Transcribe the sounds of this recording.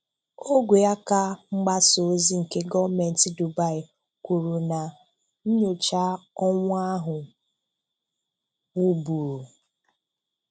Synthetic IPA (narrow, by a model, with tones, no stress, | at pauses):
o˦ɡʷe˨ja˦ka˦ŋ͡m̩˦ɡ͡ba˦so˨˦zi˦ŋ̩˨ke˦ɡɔ˦me˨n̩˨ti˦du˨ba˦ɪ˨ | kʷu˨ɾu˨na˨ | n̩˦ɲo˨t͡ʃa˦ɔ˦ŋʷa˦ɦʊ˨ | wu˦bu˨ɾu˨